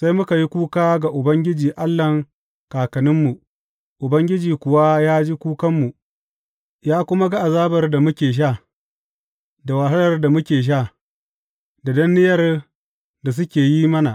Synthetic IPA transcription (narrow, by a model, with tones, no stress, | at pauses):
sa˦jmʊ˦ka˨ji˦kʷuː˦kaː˦ɡa˨ʔʊ˨bɐ˦ŋɡʲɪ˦d͡ʒiː˨ʔa˦lːɐ˨ŋ | kaː˨kɐ˨nɪ˦mːu˨ | ʔʊ˨bɐ˦ŋɡʲɪ˦d͡ʒiː˨kʷʊ˨wa˦jaː˦d͡ʒi˦kʷuː˦kɐ˦mːu˨ | jaː˦kʷʊ˦ma˦ɡa˦ʔa˨zaː˦bɐ˨rda˨mʊ˦kʲeː˨ʃ̬aː˦˨ | da˨waː˨ɦɐ˦lɐ˨rda˨mʊ˦kʲeː˨ʃ̬aː˦˨ | da˨dɐ˦nːɪ˦jɐ˨r | da˨s̬ʊ˦kʲeː˨ji˦mɐ˦na˨ʔ